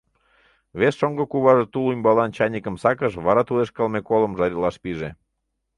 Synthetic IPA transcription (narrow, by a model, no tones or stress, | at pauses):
βesʃoŋɡəkuβɑʒet̪ulumʲbɑlɑnt͡ɕɑnʲikəmsɑkəʃβɑɾɑt̪uleʃkɑlmekoləmʒɑɾʲilɑʃpiʒe